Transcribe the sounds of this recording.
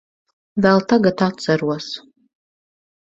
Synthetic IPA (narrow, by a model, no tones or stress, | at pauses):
vɛlˠt̪ʰaɡat̪ʰat̪saɾuɔs